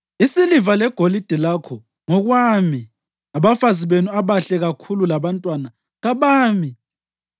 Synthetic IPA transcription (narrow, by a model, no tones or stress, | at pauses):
isilivalɛɡ̥ʱolid̥ʱilakʰɔ | ŋɔɣwami | aβafaziβenuaβaɬɛɣakʰululaβantʼwana | ɣaβaːmi